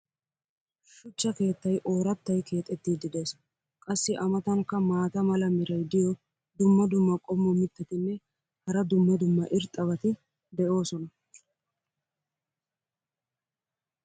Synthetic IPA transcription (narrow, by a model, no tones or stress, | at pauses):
ʃʊt͡ʃːɐke̞ːt̪ːɐjʔo̞ːɾɐt̪ːɐjkʰe̞ːt̪ʼːɛt̪ːiːd̪ɪd̪eːs | kʼɐsːɪʔɐmɐt̪ɐŋkːɐmaːt̪ɐmɐlɐmɪɾɐjd̪ɪjɔ | d̪ʊmːɐd̪ʊmːɐkʼɔmːɔmɪt̪ːɐt̪ɪnːɛ | hɐɾɐd̪ʊmːɐd̪ʊmːɐʔɪɾt̪ʼːɐβɐt̪ɪ | d̪ɛʔo̞ːsɔnɐ